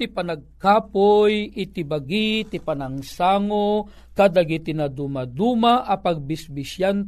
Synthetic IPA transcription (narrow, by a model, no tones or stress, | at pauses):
t̪ipanaɡ̚kaːpojit̪ibaɡit̪ipanaŋsaːŋo | kad̪aɡit̪inad̪umad̪umaʔapaɡ̚bisbisjan